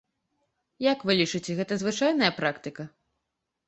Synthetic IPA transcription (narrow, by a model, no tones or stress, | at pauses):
jakvɨlʲit͡ʂɨt͡sʲɛɣɛt̪ɐzvɨt͡ʂajnɐjɐpɾakt̪ɨkɐ